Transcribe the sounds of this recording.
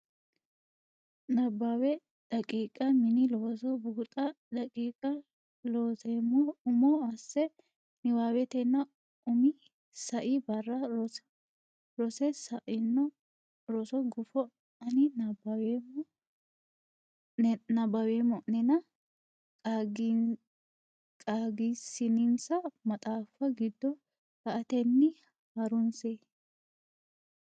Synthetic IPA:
nɐbːawɛ | dɐkʼiːkʼɐmɪnɪloːsɔbuːt̪ʼɐ | ᶑɐkʼiːkʼɐ | loːsemɔʊmɔɐsːɛ | nɪwaːwɛt̪ɛnːɐ | ʔʊmɪ | sɐʔɪbɐrːɐɔ | ɾɔsɛsɐʔɪnːɔ | ɾɔsɔɡʊfɔ | ɐnɪnɐbw | nɐbɐwemɔnɛnɐ | ɡ | kʼaːɡisɪnɪnsɐmɐt̪ʼaːfːɐɡɪd̪ːɔ | hɐʔɐt̪ɛnːɪ | hɐɾʊnse

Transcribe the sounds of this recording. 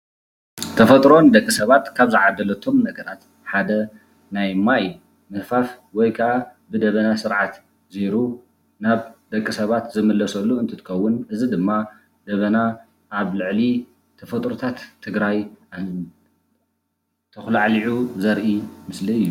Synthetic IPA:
t̪ʰɐfɐt̪ʼɾo̞nd̪ɐkʼːisɐβat̪kʰaβzɨʕad̪ːɐlɐt̪ʰo̞mnɐɡɐɾat̪ | ħad̪ɐ | najmaj | mɨhfaf | wɔjkʰɐʔabɨd̪ɐβɐnasɨɾʕat̪ | ziɾu | naβd̪̥ɐkʼːisɐβat̪zɨmɨlːɐsɐlːuɨnt̪ʰɨt̪ʰɨ̥kɐwːʊnʔɨzid̪ɨmːa | d̪̥ɐβɐna | ʔːβlɨʕli | t̪ʰɐfɐt̪ʼɾut̪ʰat̪ʰːɨɡɾaja | t̪ʰɐxlaʕliʕuzɐɾʔimɨsliɨjːu

